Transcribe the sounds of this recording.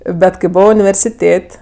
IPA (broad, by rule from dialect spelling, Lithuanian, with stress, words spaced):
ˈbʲɛt kɐɪ ˈboːʋoː ʊnʲɪʋʲɛrʲsʲɪˈtʲeːtʲ